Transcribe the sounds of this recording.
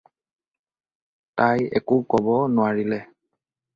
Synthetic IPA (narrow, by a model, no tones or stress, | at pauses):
tajɛ̰kʊkɔbɔnʊwaɹilɛ